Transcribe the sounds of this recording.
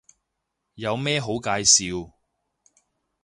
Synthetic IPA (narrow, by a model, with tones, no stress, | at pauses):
jɐ˨˧wmɛː˥ɦo˨˥wkaː˧jsiː˨˧w